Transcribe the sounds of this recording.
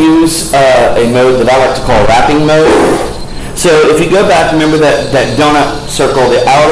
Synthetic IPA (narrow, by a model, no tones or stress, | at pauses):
ʉz | ɨmoʊd̪̚ðɨvɾaɪlˠaɪk̚tʰə̥kʰɔlˠdɹæpɪ̃ŋmoʊd | soʊɪfjɨɡoʊbækɹɨmɛ̃mbə˞ðɨt̪̚ðɨt̚d̥õñə | sɜ˞kl̩ˠðiʔaʊ